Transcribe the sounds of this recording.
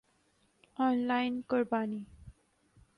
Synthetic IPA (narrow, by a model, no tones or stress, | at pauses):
ɔnlajnkɔɾbani